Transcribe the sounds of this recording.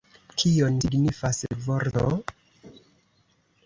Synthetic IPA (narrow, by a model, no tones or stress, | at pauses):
kʰioniɡnifasvoɾto̰